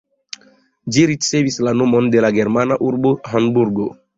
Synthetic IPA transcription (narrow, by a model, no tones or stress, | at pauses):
d͡ʒiɾitsevislanomɔ̃nd̪elaɡɛɾmanaʔuɾboɦãnbuɾɡo